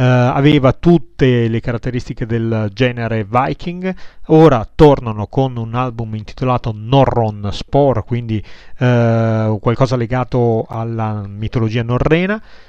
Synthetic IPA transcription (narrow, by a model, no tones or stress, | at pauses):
a̰veːvat̪ut̪ːelekaɾat̪ːeɾist̪iked̪eld͡ʒɛːneɾevajkʰiŋɡoːɾat̪ornanokonunalbumint̪i̥t̪olaːt̪onorːonspɔrkwind̪i | kwalkɔːzaleɡaːt̪oalːamit̪olod͡ʒiːanorːɛːna